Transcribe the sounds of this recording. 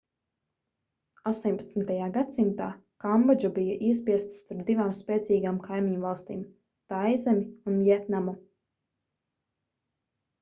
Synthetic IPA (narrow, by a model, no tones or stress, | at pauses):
ast̪ɔɲpḁt̪sn̩t̪ajaːɡat̪simt̪aː | kambad͡ʒubijaʔiɛspiɛst̪st̪aɾp̚d̪ivaːmspɛːt̪siːɡaːmkajmiɲvalˠst̪iːm | t̪ajzɛmʲiunvʲjɛt̪namu